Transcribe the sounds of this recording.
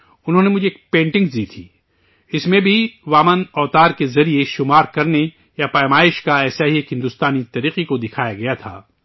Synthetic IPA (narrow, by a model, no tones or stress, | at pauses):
ʊnɦõːnemʊd͡ʒʱeeːk̚pẽːɳʈɪ̃ŋɡd̪iːt̪ʰiː | ɪsmẽbʱiʋaːmənɔːt̪aːɾkezɐɾieʃʊmaːɾkɐɾne | japaːjmaːɪʃkaɛːsaɦieːkɦɪ̃nd̪ʊst̪aːnit̪ɐɾiːqikod̪ɪkʰaːjaɡɐjat̪ʰa̰ː